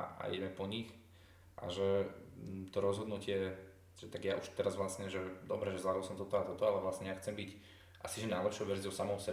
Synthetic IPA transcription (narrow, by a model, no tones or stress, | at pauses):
a̰jɛɛpɔɲix | ʔa̰ʒɛ | t̪ɔɾɔzɦɔd̪nucɪɛ | ʒ̥ɛt̪aɡjaʔuʃt̪ɛɾazʋlasɲɛʒɛd̪ɔbɾɛʒɛzlad̪ɔlˠsɔmt̪ɔt̪ɔat̪ɔt̪ɔalɛʋlasɲɛjaxt͡sɛmbic | ʔasiʒɛnajlɛpʃjɔʊʋɛɾzijɔʊsamɔʊsɛ